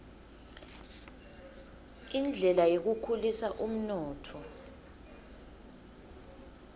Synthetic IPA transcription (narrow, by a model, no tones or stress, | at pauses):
ind͡ɮʱɛlajok̬ukʰulisaʔum̩nɔːtʰɔ